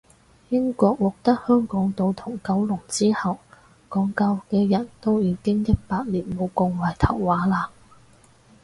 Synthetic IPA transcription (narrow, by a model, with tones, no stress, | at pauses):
jɪ˥ŋkɔː˧k̚wɔː˨˩k̚t̪ɐ˥k̚hœː˥ŋkɔː˨˥ŋt̪o˨˧wt̪ʰʊ˨˩ŋkɐ˨˥wlʊ˨˩ŋt͡siː˥hɐ˨w | kɔː˨˥ŋkɐ˧wkɛː˧jɐ˨˩nt̪o˥wjiː˨˧kɪ˥ŋjɐ˥k̚paː˧t̚liː˨˩nmo˨˧wkɔ˧ŋwaː˨˩jt̪ʰɐ̰˨˩wːaː˨˥laː˧